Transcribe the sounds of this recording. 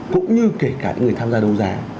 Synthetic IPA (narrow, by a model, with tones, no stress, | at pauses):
kʊ̰˧˥ŋ͡mɲɨ˧ke˧˩kaː˧˩˧ŋ˨˩əjt̪ʰaː˧mzaː˧ɗə˧wŋ͡mzaː˨˦